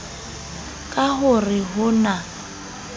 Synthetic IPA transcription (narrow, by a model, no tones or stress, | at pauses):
kʼaɦʊrɪɦʊna